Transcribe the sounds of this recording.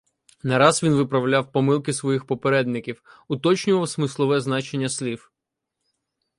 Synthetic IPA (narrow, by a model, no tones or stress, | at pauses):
nɐɾɑzʋʲinʋɪpɾɐwlʲawpɔmɪlˠkɪsʋɔjixpɔpeɾɛd̪nɪkʲiwʊt̪ɔt͡ʃnʲʊʋɐwsmɪslˠɔʋɛznɑt͡ʃenʲːɐsʲlʲif